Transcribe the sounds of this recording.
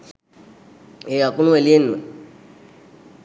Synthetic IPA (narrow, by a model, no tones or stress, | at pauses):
eakunuelienḛ